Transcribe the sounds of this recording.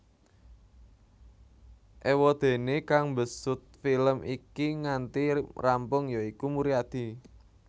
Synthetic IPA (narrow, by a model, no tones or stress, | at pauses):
ʔewɔd̪̥e̤nekaŋmbəsʊt̪̚filəmʔikiŋant̪irampʊŋjɔikumuɾiad̪̥i̤